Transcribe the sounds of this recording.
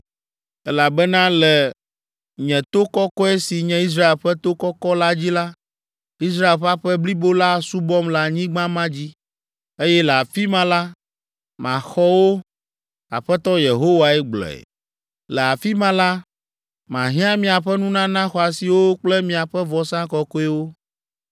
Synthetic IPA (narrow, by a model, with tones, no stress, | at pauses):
ɛ˦la˨bɛ˦nã˦lɛ˨ | ɲɛ̃˨t̪o˦kɔ˦kɔ˦ɛ˦si˨ɲɛ̃˦i˦s̬ɾa˦e˨lɸɛ˦t̪o˦kɔ˦kɔ˦la˦d͡ʑi˦la˦ | i˦s̬ɾa˦e˨lɸa˦ɸɛ˦bli˦bo˦la˦su˦bɔ˦mla˦ɲĩ˦ɡ͡bã˦mã˦d͡ʑi˦ | e˦jɛ˦lɛ˨a˨fi˦mã˦la˦ | mã̰˨xɔ˦wo˦ | a̰˨ɸɛ˦t̪ɔ˦je˨ɦo˦wa˨ɛ˦ɡ͡blɔ̰˨ɛ̰˨ | lɛ˨a˨fi˦mã˦la˦ | mã˨ɦĩ˦ã˦mĩ˨a˨ɸɛ˦nũ˦nã˦nã˦xɔ˨a˨si˨wo˦k͡plɛ˦mĩ˨a˨ɸɛ˦vɔ˨sã˦kɔ˦kɔ˦ɛ˦wo˦